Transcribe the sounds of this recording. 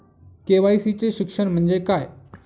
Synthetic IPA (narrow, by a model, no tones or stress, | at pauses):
keːʋaːisit͡ɕeʃɪkʃəɽ̃m̤ə̃nd͡ʑekaːe